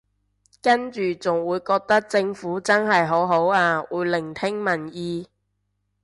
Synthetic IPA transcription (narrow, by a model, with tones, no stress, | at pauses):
kɐ˥nt͡ʃyː˨˩t͡sʊ˨˩ŋwuː˨˧jkɔː˧k̚t̪ɐ˥k̚t͡sɪ˧ŋfuː˨˥t͡sɐ˥nɦɐ˨jɦo˨˥wɦo˨˥waː˧wuː˨˧˥jlɪ˨˩ŋt̪ʰɪ˥ŋmɐ˨˩njiː˧